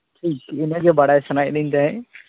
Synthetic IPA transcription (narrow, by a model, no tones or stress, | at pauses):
ʈʰiːkɪnə̃d͡ʒobaɽaesɐnaːjɗĩːnd̪aɦɛ